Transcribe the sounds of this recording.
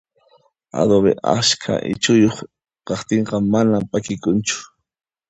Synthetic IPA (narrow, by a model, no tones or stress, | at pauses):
a̰d̪oβḛʔa̰skʰa̰ʔɪ̰t͡ʃʊjoχ | qɑχt̪eɴqɑmanampakɪkʊnt͡ʃʊ̥